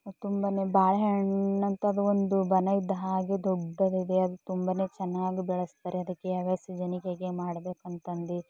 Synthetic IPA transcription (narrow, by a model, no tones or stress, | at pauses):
t̪umbɐneːbaːlɐɦeɳnɐnt̪ɐːd̪uond̪ubɐnɐid̪ːɐɦaːɡed̪ɔɖːɐd̪id̪eɐd̪ut̪umbɐne̞ːt͡ʃɛnːaːɡibɛɭɐst̪aːɾeɐd̪ɐkːeɐʋɐsɐd͡ʒɐnikeɡemaːɽɐbe̞ːkɐnt̪ɐnd̪i